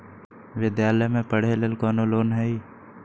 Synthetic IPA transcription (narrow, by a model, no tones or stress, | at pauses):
ʋɪd̪jaːləjmẽpəɽ̤elelkɔːnoloːnɦɛi